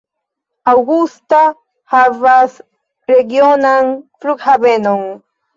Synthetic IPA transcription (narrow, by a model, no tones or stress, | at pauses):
awɡust̪a | haβas | ɾeɡjonaŋpɾʊkhabenoŋ